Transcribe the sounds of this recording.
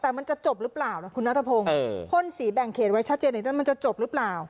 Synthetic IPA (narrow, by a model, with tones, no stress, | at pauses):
t̪ɛː˨˩ma˧nt͡ɕa˨˩t͡ɕo˨˩p̚ɾɯ˦˥plaː˨˩wna˦˩kʰu˧nːa˦˥t̪ʰa˧pʰo˧ŋː˧kʰo˧˥˨nsiː˩˦bɛ˨˩ŋkʰeː˨˩t̪̚wa˦˥jt͡ɕʰa˦˥t̪̚t͡ɕeː˧na˧˩nʰa˥˩ma˧nt͡ɕa˨˩t͡ɕo˨˩p̚ɾɯ˦˥plaː˨˩w